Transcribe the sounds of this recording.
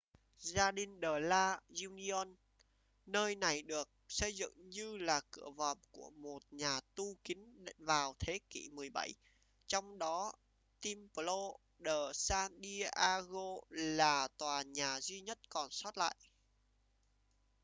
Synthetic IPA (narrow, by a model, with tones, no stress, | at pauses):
zaː˧ɗi˨˩ŋɗəː˨˩laː˧zu˧ni˧ɔ˧nː | əː˧jna˨˩jɗɨ˨˩ək̚sə˧jzɨ̰˧˨ŋɲɨ˧laː˨˩kɨ̰˧˩əvə̰˨mku˧˩əmo˨˩t̚ɲaː˨˩t̪u˧ki˨˦ŋvaː˨˩wt̪ʰe˨˦kḭ˧˩mɨ˨˩əjɓa˧˩j | t͡ɕɔ˧wŋ͡mɗɔ˨˦ | t̪i˧mpə˨lo˧ | ɗəː˨˩saː˧nɗi˧ʔaː˧ɣo˧laː˨˩t̪waː˨˩ɲaː˨˩zwi˧ɲə˦˥t̚kɔ˨˩nsɔ˦˥t̚la̰ː˧˨jʔ